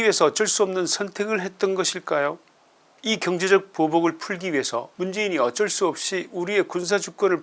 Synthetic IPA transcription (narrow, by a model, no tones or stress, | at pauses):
ie̞sʰʌːt͡ɕ͈ʌɭs͈uʌmnɯnsʰʌntʰe̞ɡɯɭɦe̞t̚t͈ʌnɡʌɕʰiɭk͈ajo | ikjʌŋd͡ʑe̞d͡ʑʌk̚poboɡɯɭpʰuɭɡiɥiɦe̞sʰʌ̰mund͡ʑe̞iɲiʌt͡ɕ͈ʌɭs͈uʌp̚ɕ͈iuɾie̞kunsʰad͡ʑuk̚k͈wʌnɯɭ